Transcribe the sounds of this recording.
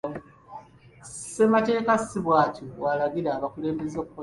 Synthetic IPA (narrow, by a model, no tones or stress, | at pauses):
se̞mate̞ːkasiβwaːcowalaɡiɾaːβakule̞ːmbe̞zoːkuko